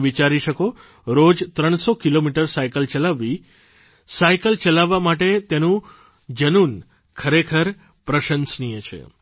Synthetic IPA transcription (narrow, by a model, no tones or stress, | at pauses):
ʋit͡ʃaɾiʃəko | ɾod͡ʒt̪ɾəɳ̃sokilomiʈəɾsaikəlt͡ʃəlaʋːi | saikəlt͡ʃəlaʋːamaʈet̪enũ | d͡ʒənun | kʰəɾekʰəɾ | pɾəʃənsnijət͡ʃʰḛ